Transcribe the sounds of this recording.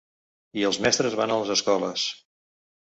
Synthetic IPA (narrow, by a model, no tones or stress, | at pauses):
iəlˠzmɛst̪ɾəzβanələzəskɔləs